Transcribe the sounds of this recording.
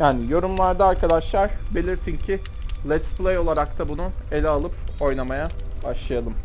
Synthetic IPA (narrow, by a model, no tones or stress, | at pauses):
jaːnijo̞ɾumlˠaɾd̪aːɾkʰad̪aʃlˠaɾ̥be̞lʲiɾt̪ʰincʰɪ | lʲɛt̪splʲˠejo̞lˠaɾak̚t̪ʰabunue̞lʲɛalˠɯpo̞jnamajabaʃlˠajalˠɯm